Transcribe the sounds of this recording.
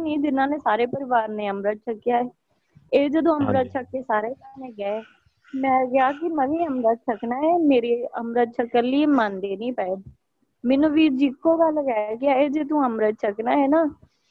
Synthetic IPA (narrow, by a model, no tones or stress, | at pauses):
nĩːd̪ɪnãːneːsaːɾeːpəɾɪʋaːɾnẽːəmɾət̪̚t͡ʃʰəkːɪjaː | eːd͡ʒəd̪õːəmɾət̪̚t͡ʃʰəkːeːsaːɾeːt̪aːɾneːɡɛe | mɛ̃ːɡɪaːkɪməʋĩːəmɾət̪̚t͡ʃʰəknaːɛːmeːɾeːəmɾət̪̚t͡ʃʰəkːəlːiːemãnd̪eːnĩːpɛːeː | mɛːnũːʋiːd͡ʒɪkːoːɡəlɡɛːɛkɪaːeːd͡ʒəd̪ũːəmɾət̪̚t͡ʃʰəknaːɦɛːnaː